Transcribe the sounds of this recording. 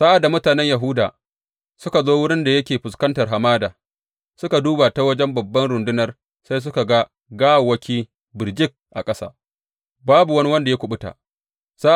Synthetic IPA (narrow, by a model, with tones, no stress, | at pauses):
sa˦ʔa˨da˨mʊ˦taː˨nɛ˦ɲja˨ɦʊ˦da̰ː˨ | sʊ˦ka˨zoː˦wʊ˦ɽɪ˦nda˨jɐ˦kʲeː˨ɸʊ˨skɐ˦ntɐ˨rɦa˨maː˦daː˨ | sʊ˦ka˨duː˦baː˨ta˦wɐ˦d͡ʒɛ˦mbɐ˨bːɐ˦nɽʊ˨ndʊ˦nɐ˨˦r | sa˦js̬ʊ˦ka˨ɡa˦ | ɡaː˦wwɐ˦kʲiː˦ | bɪ˨rd͡ʒɪ˦k̚ʔa̰˨kʼɐ˦sa̰ː˦ | baː˦bu˨wɐ˦ni˦wɐ˦nda˨ja˦kʷʊ˨ɓʊ˦ta̰ː˨ | sa˦